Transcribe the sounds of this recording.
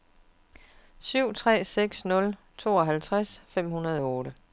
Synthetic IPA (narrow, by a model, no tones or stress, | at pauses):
syʊ̰t͡sʰʁɛ̰ːseɡ̥snɔ̽l | t͡sʰo̝̰ːɒɦælt͡sʰʁasfem̰hunɐð̞ˠɒɔːɾə